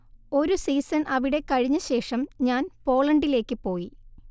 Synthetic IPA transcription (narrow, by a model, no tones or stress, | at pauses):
o̞ɾusiːsɐnʔɐʋiɽe̞kɐɻiɲːɐɕe̞ːʂɐmɲaːnpo̞ːɭɐɳɖile̞ːkːɨpo̞ːji